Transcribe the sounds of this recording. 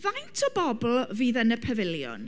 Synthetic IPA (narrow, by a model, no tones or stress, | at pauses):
vajntʰɔbɔbl̩ˠviːðənəpʰəvɪljʊ̰n